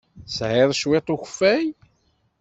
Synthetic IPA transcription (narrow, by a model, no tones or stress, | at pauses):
sʕɪðˤʃwet̪ˤuçfːæj